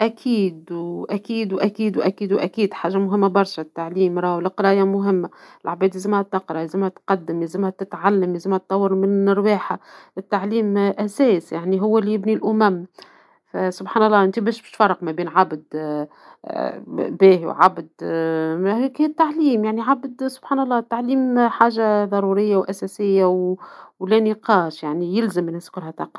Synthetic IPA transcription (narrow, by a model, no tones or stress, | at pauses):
ʔækʰiːd̪wʔækiːd̪wʔækiːd̪wʔækiːd̪wʔækiːd̪ħaːʒːamʊɦɪmːabɑɾˤʃat̪ːaʕliːmɾˤɑːwlɪqɾˤɑːjamʊɦɪmːaɪlʕbɛːd̪izɪmhæt̪ːɑqɾˤɑlzɪmhæt̪qɑd̪ːɪmlɪzɪmhæt̪ɪt̪ʕalːamlɪzɪmhæt̪ˤːɑwːɑɾˤmɪnɾweːħaʔɪt̪ːaʕliːmʔæsɛːsjaʕniɦʊwːlːijɪbnilʔʊmæm | fæsʊbħaːnɑlˤːɑːʔɪnt̪ibɛːʃbʃfɑɾˤːɑqmæbiːnʕabd̪ | bæːɦḭwʕa̰bd̪mhkhiːt̪ːaʕliːmjaʕniʕabd̪sʊbħaːnɑlˤːɑːt̪ːaʕliːmħaːʒaðˤɑɾˤuɾɪjːawʔæsæsɪjːawwlænɪqɑːʃjaʕnijɪlzamːɪnɪskʊɾhæt̪ˤɑqɾɑ